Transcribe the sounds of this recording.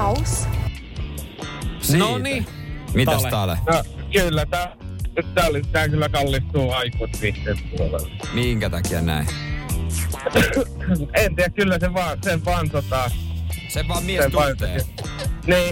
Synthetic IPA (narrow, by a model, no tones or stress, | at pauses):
s | snoni | mit̪æst̪ɑlḛnokylːæt̪æ | yt̪ːæolisit̪æːkylːækɑlːist̪uːɑikut̪piht̪empuolḛlːɑmiŋkæt̪ɑkiɑ̰næ̰i | ent̪iːjækkylːæseʋɑːsempɑnsot̪ɑːseʋɑmiessempɑinseː | niː